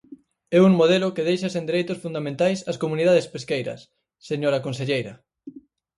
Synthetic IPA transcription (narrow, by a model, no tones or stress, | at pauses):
ɛuŋmoð̞elʊkeðejʃɐsẽnd̪eɾejt̪ʊsfund̪amẽnt̪ajsɐskomuniðaðespeskejɾɐ̰sː | eɲoɾɐkons̬eʎejɾɐ